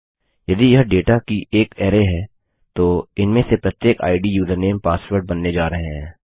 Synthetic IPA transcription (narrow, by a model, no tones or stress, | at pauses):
jɐd̪ijɐɦɖeːʈakiʔeːkeːɾeɦɛː | t̪oɪnmẽsepɾɐt̪jeːka̰ːɪɖijuːzəɾneːmpaːsʋəɾɖ̚bɐnːed͡ʒaːɾɐɦeɦɛ̃ː